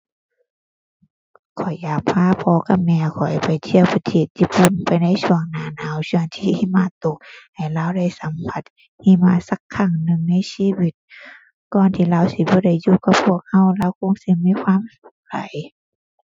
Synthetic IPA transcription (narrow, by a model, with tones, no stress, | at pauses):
kʰɔ˨˩jːaː˨˩k̚pʰaː˧˥˨pʰɔː˧˦ka˧˥mɛː˧˩kʰɔ˨˩jpa˨˩jt̪ʰi˧˨əwpʰi˧˩t̪ʰiː˧˩t̪̚jiː˧˥pu˧˩˨npa˨jna˧˥˨jsʰu˧˩əŋnaː˨˧˦naː˨˥˨wsu˧˩əŋt̪ʰiː˧hi˧˨maː˧˩˨t̪o˧˦k̚ha˨˩jlaː˧˥˨wda˧˩˨jsa˨˦mpʰa˧˦t̪̚ | hi˧˥˨maː˧˥sa˧˦kʰːa˧˩ŋnɯ˧ŋna˧˥˨jsiː˧˥˨wi˧˦t̪̚ | kɔː˨nt̪ʰiː˧˨laː˧˨wsi˧˦bɔː˧˦da˧˩jːuː˧˩ka˧pʰːu˧˩ək̚ha˧˩˨wlaː˧˥wkʰo˧˥˨ŋsi˧˦miː˧˥˨kʰwaː˧˥˨msu˧˦k̚sa̰˨˦j